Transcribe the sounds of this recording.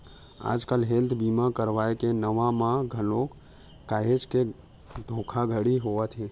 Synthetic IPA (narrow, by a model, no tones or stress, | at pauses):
a̰ːd͡ʒkəlɦelt̪ʰbimãkəɾʋaekenəʋãmãɡʱənok | kaːɦet͡ʃke | d̪ʱokʰaɡʱəɽiɦoʋət̪ʰɦe